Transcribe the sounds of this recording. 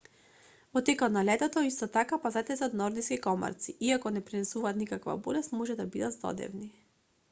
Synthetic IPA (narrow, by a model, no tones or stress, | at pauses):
vɔt̪ːɛkat̪nalɛt̪ɔt̪ɔist̪ɔt̪akapazat̪ɛt̪ɛɔt̪nɔɾd̪iskikɔma̰ɾt̪siʔiakɔnɛpɾinɛsuvaːt̪nikakva̰bɔlɛst̪mɔʒɛd̪abid̪at̪zd̪ɔ̰d̪ɛ̰vni